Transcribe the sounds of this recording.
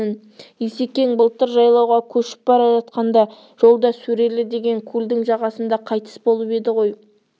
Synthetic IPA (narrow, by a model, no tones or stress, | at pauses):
ɪn | jese̞kʲe̞ŋbəlˠt̪əɾʒɑjlˠɑwʁɑkʲʰɵʃɪ̥p̚bɑɾɑʒɑt̪̚qɑnd̪ɑ | ʒ̥o̞lˠd̪ɑsɵɾe̞lɪd̪e̞ɡʲe̞ŋkʲʰuld̪ɪŋʒɑʁɑsənd̪ɑqʰɑjt̪ə̥sbo̞lˠəpe̞d̪ɪʁo̞j